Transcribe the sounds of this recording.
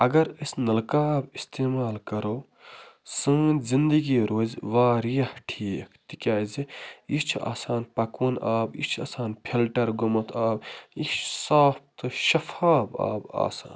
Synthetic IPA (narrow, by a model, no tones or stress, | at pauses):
ɐɡɐɾɨsnɐlkaːbist̪eːmaːlkɐɾoː | sɨ̃zind̪ɐɡiːɾoːzʋaːɾjɐhʈʰiːkʰt̪ikʲaːziit͡ʃʰa̰ːsaːnpɐkunaːbḭt͡ʃʰɐ̰saːnpʰilʈɐɾɡumɐt̪ʰaːbit͡ʃʰsaːp̚t̪ɨʃɐfʰaːba̰ːba̰ːsa̰ːn